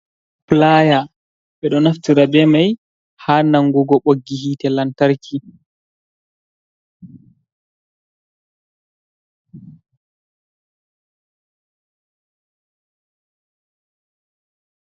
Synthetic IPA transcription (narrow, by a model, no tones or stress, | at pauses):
plaja | ɓɛɗɔnaftiɾabɛmaj | haːnaŋɡuɡɔɓoɡːihitɛlantaɾkʰi